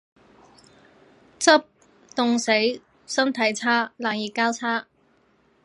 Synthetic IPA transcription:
t͡sɐ˥p̚ | t̪ʊ˨˧ŋse˨˥j | sɐ˥nt̪ʰɐ˨˥jt͡sʰaː˥laː˨ŋjiː˨˩kaː˥wt͡sʰaː˥

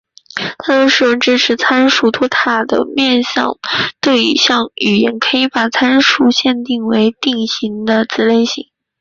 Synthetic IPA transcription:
t̪ʰa˥t̪o˥ʂɻ̩˥˩ʊ˧˥ŋʈ͡ʂɻ̩˥ʈ͡ʂʰɻ̩˧˥t͡sʰa˥nʂu˥˩t̪ʰwɔ˥t̪ʰa˥˩d̪ə̰˩mjɛ˥˧nɕjɑ̰˥˧ŋt̪we˥˩ɪḭ˨˩ɕjɑ˥˩ŋy˨˩jɛ˧˥nkʰɤ˧˥i˧˥pa˨˩t͡sʰa˥nʂu˥˧ɕjɛ˥˧nt̪i˥˩ŋwe˧˥ɪt̪i˥˩ŋɕi˧˥ŋd̪ə˧t͡sɹ̩˧˥le˥˧ɪɕi˥˩ŋ

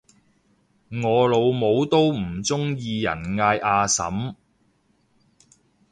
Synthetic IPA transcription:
ŋɔː˨˧lo˨˧wmo˨˧wt̪o˥wm̩˨˩t͡sʊ˥ŋjiː˧jɐ̰˨˩nŋaː˧jʔaː˧sɐ̰˨˥m

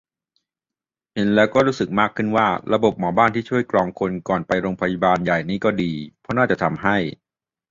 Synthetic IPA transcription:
he˨˦nlɛː˦˥wkɔː˥˩ɾuː˦˥sɯ˨˩k̚maː˥˩kʰːɯ˥˩nwaː˥˩ɾa˧bo˨˩p̚mɔː˩˦baː˥˩nt̪iː˥˩t͡ɕʰu˥˩əjklɔː˧ŋkʰo˧nkɔː˨˩npa˧jɾoː˧ŋpʰa˧ji˧˩baː˧nja˨˩jniː˦˥kɔː˥˩diː˧pʰɔ˦˥naː˥˩t͡ɕa˨˩t̪ʰa˧mɦa˥˩j

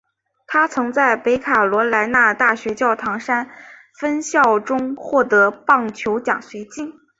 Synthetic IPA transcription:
t̪ʰa˥t͡sʰɤ˧˥ŋt͡sa˥˩ɪpe˧˥ɪkʰa˨˩lwɔ˧˥la˧˥ɪna˥˧t̪a˥˩ɕɥɛ˧˥t͡ɕjɑ˥˩ʊt̪ʰɑ˧˥ŋʂa˥n | fə˥nɕjɑ˥˩ʊʈ͡ʂʊ˥ŋxwɔ˥˩t̪ɤ˧˥pɑ˥˩ŋt͡ɕʰjo˧˥ʊt͡ɕjɑ̰˨˩ŋswe˧˥ɪt͡ɕi˥˩n

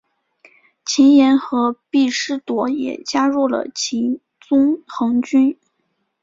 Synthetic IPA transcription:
t͡ɕʰi˧˥njɛ˧˥nxɤ˧˥pi˥˩ʂɻ̩˥t̪wɔ˧˥jɛ̰˨˩t͡ɕja˥ɻu˥˩lə̰˩t͡ɕʰi˧˥n | t͡sʊ˥ŋxɤ˧˥ŋt͡ɕy˥n

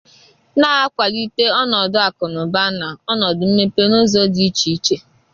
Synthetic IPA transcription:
na˦a˦kʷa˨li˦te˦ɔ˦nɔ˨dʊ˦a˨kʊ˨nʊ˨ba˦na˨ɔ˦nɔ˨dʊ˨m̩˦me˦pe˦no˦zo˦di˦i˦t͡ʃi˨˦t͡ʃe˦

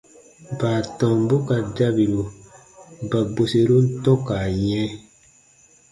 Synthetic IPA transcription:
baː˨tɔ̃˨m˦bo˦ka˨da˦bi˨ɾu˨ | ba˨bo˨se˨ɾu˦n̩˦tɔ̃˦ka˨jɛ̃˦

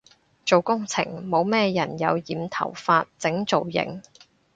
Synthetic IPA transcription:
t͡so˨wkʊ˥ŋt͡sʰɪ˨˩ŋmo˨˧wmɛː˥jɐ˨˩njɐ˨˧wjiː˨mt̪ʰɐ̰˨˩wfaː˧t̚t͡sɪ˨˥ŋt͡so˨wjɪ̰˨˩ŋ

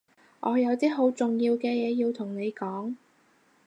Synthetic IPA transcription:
ʔɔː˨˧jɐ˨˧wt̪iː˥ɦo˨˧˥wt͡sʊ˨˩ŋjiː˧wkɛː˧jɛː˨˧jiː˧wt̪ʰʊ˨˩ŋne˨˧jkɔː˨˥ŋ

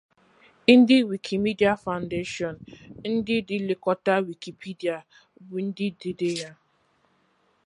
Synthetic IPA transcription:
n̩˦dɪ˦wi˨kʰi˨mi˦di˦a˨fa˨ʊ̃˨n̩de˦ʃɔ˨nn̩˦dɪ˦dɪ˨lɪ˨kɔ˦ta˦wi˨ki˨pʰi˦di˨a˨ | bʊ˨n̩˦dɪ˦de˨de˦ja˦

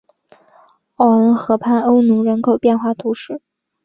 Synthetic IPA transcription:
ɔ˨˩ə˧˥nxɤ˧˥pʰa˥˩no˥ʊnu˧˥ɻə˧˥nkʰo˨˩ʊpjɛ˥˧nxwa˥˩t̪ʰu˧˥ʂɻ̩˥˩

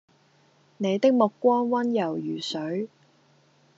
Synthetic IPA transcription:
ne˨˧jt̪ɪ˥k̚mʊ˨kːʷɔː˥nwɐ˥njɐ˨˩wjyː˨˩sɵ˨˥ɥ

